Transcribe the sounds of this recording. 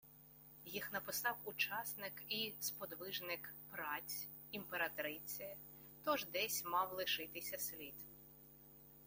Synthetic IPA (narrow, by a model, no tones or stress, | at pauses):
jixn̪ɐpɪsɑwut͡ʃɑsnɪkispɔd̪ʋɪʒnɪkpɾɑt͡sʲ | impeɾɐt̪ɾɪt͡sʲijɐ | t̪ɔʒd̪ɛsʲmɑwlˠɪʃɪt̪ɪsʲɐsʲlʲid̪